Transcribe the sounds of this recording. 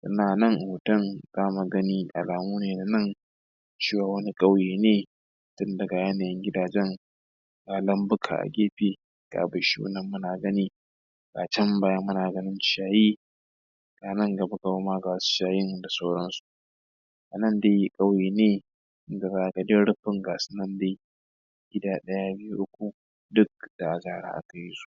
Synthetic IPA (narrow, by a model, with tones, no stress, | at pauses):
ʔɪ˦naː˨nɐ˦ŋʔhoː˨tɐ˦ŋzaː˦ma˨ɡɐ˦niː˦ʔa̰˨laː˨muː˦neː˨na˨nɐ˦˨ŋ | t͡ʃeː˦waː˨wɐ˦ni˦kʼɐ˦wjeː˨neː˦˨ | tʊ˦ndɐ˨ɡa˨ja˦naː˨jɛ˦ŋɡʲɪ˦daː˨d͡ʒɛ˦ŋ | ɡaː˨lɐ˦mbʊ˦kʰa̰ː˨ʔa̰˨ɡʲeː˦ɸeː˨ | ɡ̥a̰ː˨bɐ˨ʃḭ˦ʊ̰˦nɐ˨mːʊ˦naː˨ɡɐ˦niː˦ | ɡaː˨t͡ʃɐ˦mbaː˨jɐ˦mːʊ˦naː˨ɡɐ˦nɪ˦nt͡ʃɪ̥˦ʃaː˨jiː˦ | ɡ̥aː˨nɐ˦ŋɡɐ˨ba˦ɡa˨ba˦maː˦ɡa˨wsu̥˦ʃaː˦jɪ˦ŋda˨sa˦wɽɐ˦nsu̥˨ | ʔa˨nɐ˦nde˦ji˦kʼɐ˦wjeː˨neː˦ | ɪ˦ŋɡa˨zaː˦ʔa˨ɡɐ˨de˦ɽʊ˦ɸɪ˦ŋɡaː˨sʊ˦nɐ˦ndeː˦ | ɡ̥ʲɪ˦daː˦ɗɐ˦ja˦bɪ˦ju˦ʔʊ˦kʷu˨ | dʊ˦k̚d̥a˨ʔa˨zaː˨ɽa̰˦ʔa̰˨ka˨ji˦su̥˦˨ʔ